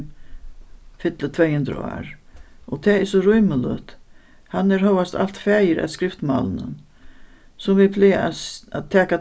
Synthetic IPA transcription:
fɪt̪lət̪ʰvɛːjhɵnd̪ɾa̰a̰ːɹɔt̪ʰɛːɪsɔɾʊjməlœ̰t̪ | hanːɛɾɦœːwast̪a̰l̥t̪fæːjəɾʔa̰ðskɾɪft̪ma̰lənə̰n | sʊmvɪpʰlɪːaaaðt̪ʰɛːka

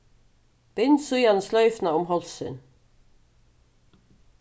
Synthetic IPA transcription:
b̥ɪnsujɑnslœʏfnɑʊmhɔlsʏ̰n

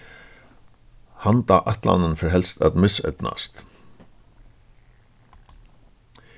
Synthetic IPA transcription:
hant̪aːʔat̪la̰nənfɔɹɦɛlst̪a̰t̪mɪsœ̰t̪na̰st̪

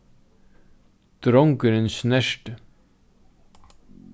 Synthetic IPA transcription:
d̪̥ɾɔŋkəɾənʃnæʃʈ

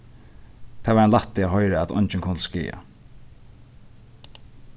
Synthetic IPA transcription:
t̪ʰaːvaɾanlat̪ːɪaɦɔʏɾaɛt̪ʰɔ̰ɲt͡ʃɪnkʰʊnt̪̩skḭːa̰

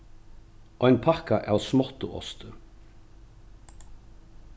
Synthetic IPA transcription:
ɔjnpʰahkaʔa̰wsmɔht̪ʊʔɔ̰st̪ʏ

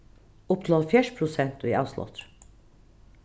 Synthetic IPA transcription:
ʊpt̪ʰlɔlfjæʂpʰɾʊsɛnt̪ɔḭɑ̰ːslɔ̰t̪ɾ

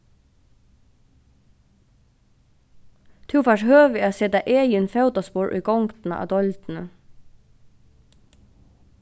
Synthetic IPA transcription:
t̪ʰuwfaʂɦœːvɪaðsɛːt̪aʔɛːjɪnfɛwt̪aspʊːɹʔṵjkɔwŋkt̪na̰ʔa̰wt̪ɔjlt̪nʏ

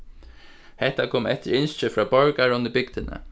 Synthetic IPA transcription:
hɛht̪ːakʰoːmɛt̪ɪɾɪnst͡ʃɪfɹɑːbɔɹkaɹʊnd̪ɪbɪk̚t̪ɪnə̰

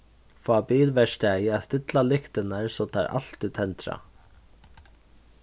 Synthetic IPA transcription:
fɑːbiːlʋɛʃʈæjɑst̪ɪt̪lɑlɪkt̪ənəɹsoːt̪ʰɑ̰ːɾʔɑ̰l̥t̪iːt̪ʰɛnt̪ʰɾɑ̰

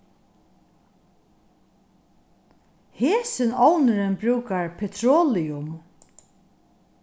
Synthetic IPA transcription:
heːsɪnɔwnɪɾɪnbɾʉːkaɹpʰɛt̪ʰɾoːlɪʊm

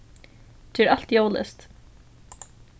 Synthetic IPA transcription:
t̪ʰɛːɹal̥t̪joːwlɛ̰st̪

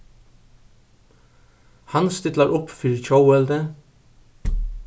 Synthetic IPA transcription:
hɑnst̪ɪt̪lɑɾʔʊpːfiɾc͡çowɛld̪ə

